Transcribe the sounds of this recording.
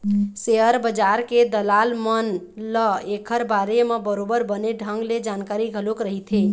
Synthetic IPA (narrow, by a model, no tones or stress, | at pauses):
seɦəɾbəd͡ʒaɾked̪əlalmən | lɔekʰəɾbaɾemebəɾobəɾbəneɖʱəŋɡled͡ʒankaɾiɡʱəlokɾəɦit̪ʰe